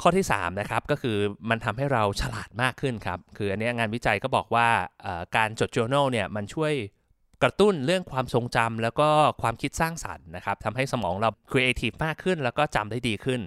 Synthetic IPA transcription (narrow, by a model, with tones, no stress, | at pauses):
kʰɔː˥˩t̪ʰiː˥˩sa̰ː˩˦mna˦˥kʰa˦˥p̚kɔː˥˩kʰɯː˧ma˧nt̪ʰa˧mɦa˥˩jɾa˧wt͡ɕʰa˧la̰ː˨˩t̪̚maː˥˩kʰːɯ˥˩nkʰa̰˦˥p̚kʰɯː˧ʔa˧nːi˦˥ŋaː˧nwi˦˥t͡ɕa˧jkɔː˥˩bɔː˨˩k̚waː˥˩ʔəː˨˩kaː˧nt͡ɕo˨˩t̪̚t͡ɕuː˧na˥˩wni˥˩ɐma˧nt͡ɕʰu˥˩əj | kɾa˧t̪u˥˩nɾɯ˥˩əŋkʰwaː˧mso˧ŋt͡ɕa˧mlɛː˦˥wkɔː˥˩kʰwaː˧mkʰi˦˥t̪̚saː˥˩ŋsa̰˨˩˦nːa˦˥kʰa˦˥p̚t̪ʰa˧mɦa˥˩jsa˧mɔː˩˦ŋɾa˧wkʰɾi˧ʔe˧t̪ʰiː˦˩pmaː˥˩kʰːɯ˥˩nlɛː˦˥wkɔː˥˩t͡ɕa̰˧mdaː˥˩jdiː˧kʰɯ˥˩n